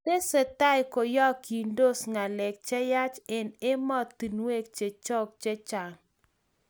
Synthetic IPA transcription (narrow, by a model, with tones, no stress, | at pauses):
te˦se˨t̪a˦jko˨jɔ˦ki˨ndo˦sŋa˨lɛ˨k̚t͡ʃɛ˦ja˦t͡ʃɪ˨nɪ˦mɔ˦t̪ːi˨nwe˦k̚t͡ʃe˨t͡ʃɔ˦k̚t͡ʃe˦t͡ʃa˨ŋ